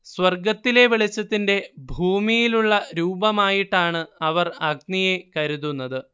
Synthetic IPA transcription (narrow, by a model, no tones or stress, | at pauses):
swɐrɡɐt̪ːile̞ʋiɭit͡ɕːɐt̪ːinde̞bʱuːmijiluɭːɐɾuːbɐmaːjiʈːaːɳɨɐʋɐrɐɡ̚nije̞kɐɾuðunːɐðɨ